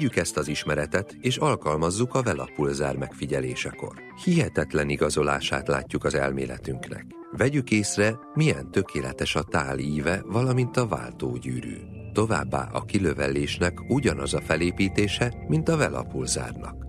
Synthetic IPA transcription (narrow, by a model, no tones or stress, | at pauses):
ɟykɛst̪ɒziʃmɛɾɛt̪ɛt̪eːʃɒlkɒlmɒzːukɒvɛlɒ̰pulzaːrmɛkfiɟɛleːʃɛko̞̰r | hiɦɛt̪ɛt̪lɛniɡɒzo̞laːʃaːt̪la̰ːcːukɒzɛ̰lmḛːlɛ̰t̪yŋknɛ̰k | vɛɟykeːsrɛ | mijɛnt̪ø̞kʰeːlɛt̪ɛʃɒt̪aːliːvɛvɒlɒmint̪ɒva̰ːlt̪oːɟyːɾy̰ː | t̪o̞vaːbːa̰ːʔɒkiløvɛleːʃnɛkuɟɒnɒzɒfɛleːtpiːt̪eːʃɛmint̪ɒvɛlɒ̰pulza̰ːrnɒ̰k